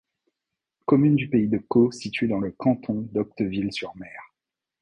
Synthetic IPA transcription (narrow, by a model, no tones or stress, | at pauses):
kɔmynd̪ypeid̪əkosit̪ɥed̪ɑ̃ləkɑ̃t̪ʰɔ̃d̪ɔk̚t̪əvilsyʁmɛːʁ